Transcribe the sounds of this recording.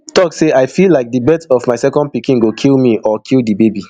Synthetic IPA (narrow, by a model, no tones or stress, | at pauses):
tɔkseaɪfilaɪk̚dibɛtɔvmaɪsɛkɔ̃nd̚pikĩnɡokʰilˠmiɔkʰilˠdibebi